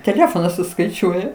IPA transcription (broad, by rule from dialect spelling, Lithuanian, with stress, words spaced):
tʲɛˈlʲæːfoːnɐs sʊskɐɪˈt͡ʃʲuɔjɛ